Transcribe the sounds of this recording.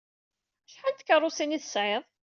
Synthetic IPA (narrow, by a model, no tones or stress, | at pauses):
ʃħant̪kərˤːʊsiniθəsʕɪðˤ